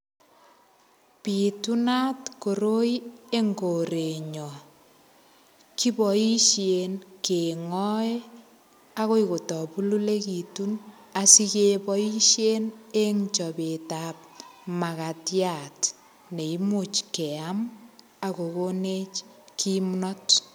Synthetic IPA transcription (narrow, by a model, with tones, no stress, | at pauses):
pi˨tu˦na˦tko˨ɾo˦ie˦ŋɡo˨ɾe˨ɲɔ˨ | ki˦bɔi˦ʃje˨nke˨ŋɔ˦e | a˦ko˦iko˨tɔ˨pu˦lu˦le˦ki˨tun | a˨si˦ke˦pɔi˦ʃje˦ne˦ŋt͡ʃɔ˨pe˨tap̚ma˨ka˨tja˨t | ne˨i˦mu˨t͡ʃke˨a˦m | a˨ko˨ko˦ne˦t͡ʃ | kʰi˦mnɔt